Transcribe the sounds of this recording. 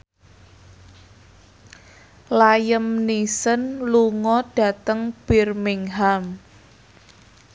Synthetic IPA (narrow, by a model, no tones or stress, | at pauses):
lajəmnisənluŋɔɖ̥a̤t̪əŋb̥irmɪŋɦam